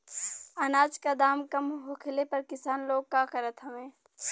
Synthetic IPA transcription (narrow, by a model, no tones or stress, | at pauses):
ɐnaːd͡ʒkad̪aːmkɐmɦokʰɪlepɐɾkɪsaːnloːɡ̚kakɐɾət̪ɦɐʋẽː